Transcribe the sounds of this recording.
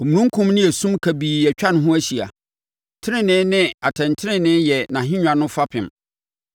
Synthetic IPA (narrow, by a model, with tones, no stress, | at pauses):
ɔ˨mũ˨nũ˦ŋ̩˦kʰʊ̃˦mnɪ̃˦ɛ˨sũ˦mkʰæ˨biː˨jɛ˨t͡ɕᶣa˦ñ˦ɦʊ̃˦æ˦ɕi˨a̰˨ | tʰɪ˦ɾɪ̃˦nɪ̃˦nɪ̃˦a˨tʰɛ̃˨n˨tʰɪ˦ɾɪ̃˦nɪ̃˦jɛ˨nã˨ɦɪ̃˦ɲᶣã˨nʊ̃˦fa˦pʰɪ̰̃˨m